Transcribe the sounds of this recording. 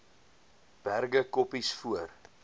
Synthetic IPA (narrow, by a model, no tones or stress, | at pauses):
b̥ærɡəkɔpisfuər